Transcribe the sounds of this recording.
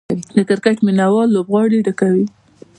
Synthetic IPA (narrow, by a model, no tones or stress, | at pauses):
d̪əkɪɾkaʈminawɑlːobɣɑɽiɖakawi